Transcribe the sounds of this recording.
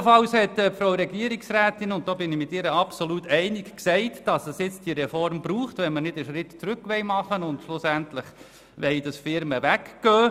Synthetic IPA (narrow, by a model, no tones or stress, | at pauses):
fɑlshɛtɛfɾoʊɾɛɡiəɾiksræːtɪnʊnt̚d̥oːbɪnɪmɪtɪɾəɑpsoluːtʰɛɪnɪkksɛɪtd̥ɑsəsjɪt͡st̚d̥iəɾɛfɔrmbɾuːχtvʋɛnmənɪd̥əʃɾɪtt͡sɾʏkʋɛɪmɑχənʊndʃlʊsæntləχ | ʋɛɪd̥ɑsfɪɾməʋækɡ̥øː